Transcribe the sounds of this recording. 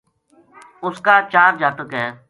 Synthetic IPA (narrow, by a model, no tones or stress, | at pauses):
ʊskaːt͡ʃaːɾd͡ʒaːt̪əkɦɛː